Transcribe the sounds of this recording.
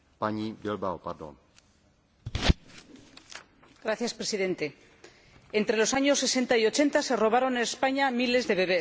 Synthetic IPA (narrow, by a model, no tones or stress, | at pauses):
paɲibelbaopaɾd̪o̰n | ɡɾaθjaspɾesiðe̞nt̪e̞ | ent̪ɾe̞lo̞saɲo̞sːe̞se̞nt̪aio̞t͡ʃe̞nt̪ase̞ro̞β̞aɾo̞nespaɲamile̞zðe̞βe̞β̞e